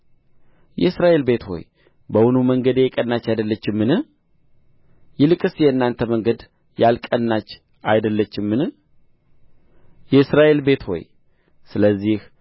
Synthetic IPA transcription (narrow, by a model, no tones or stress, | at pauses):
jɛɨsɾaʔe̞lbe̞t̪ho̞̰j | bəwʊnuməŋɡəd̪eɛkʼənːat͡ʃːajd̪əlːət͡ʃːɪmːɨnɨh | jɪlɨkʼɨsjɛɨnːant̪ʰəməŋɡəd̪ | jalkʼənːat͡ʃː | ajd̪əlːət͡ʃːɪmːɨnɨ | jɛɨsɾaʔe̞lbe̞t̪ho̞̰j | sɨləzːih